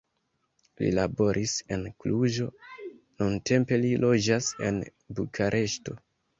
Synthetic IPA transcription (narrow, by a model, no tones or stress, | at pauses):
lḭlabo̞ɾʔise̞nkluʒo̞ | nunte̞mpe̞lilo̞d͡ʒase̞̰n | bukʰaɾʔe̞ʃto̞